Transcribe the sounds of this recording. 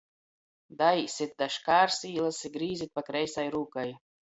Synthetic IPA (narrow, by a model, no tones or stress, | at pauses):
d̪ajsʲit̪̚d̪aʃkaːɾsiːlˠasiɡɾiːzit̪̚pakɾɛjsajɾuːkaj